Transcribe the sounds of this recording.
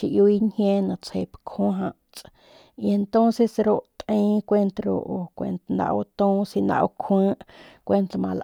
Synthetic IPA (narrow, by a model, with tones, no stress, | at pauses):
ʃi˧ʔju˧i˦ɲhjẽ˦nã˨t͡she˧˨pkʰõ˦ɦã˧ʔ | t͡sʼ | i˧e˧nt̪õ˦nse˧sɾo˦ʔt̪ʔĩː˦kʷe˧nt̪ɾo̰˧ʔo˨kʷḛ˨nt̪nã̰˧ʔo̰˧t̪õː˦si˧nã̰˧ʔo̰˧kʰə̃ː˦ʔkʷe˧nt̪mã˧lʔ